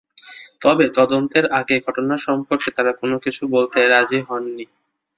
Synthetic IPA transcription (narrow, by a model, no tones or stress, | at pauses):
t̪ɔbet̪ɔd̪ont̪eɾʔaɡeɡʱɔʈonaʃɔmpoɾket̪aɾakonokit͡ɕʰubolt̪eɾad͡ʑiɦɔnːi